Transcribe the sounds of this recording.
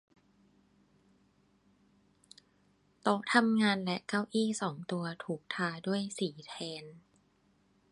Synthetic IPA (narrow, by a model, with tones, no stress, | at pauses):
t̪o˦˥k̚t̪ʰa˧mŋaː˧nlɛ˦˥ʔkaː˥˩wʔiː˥˩sɔː˩˦ŋt̪u˧ɐt̪ʰuː˨˩k̚t̪ʰaː˧du˥˩əjsiː˩˦t̪ʰɛː˧n